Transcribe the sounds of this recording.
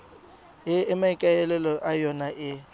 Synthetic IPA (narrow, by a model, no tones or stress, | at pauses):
jɪɪmaikʼaɛlɛlɔʔajɔnaʔɪ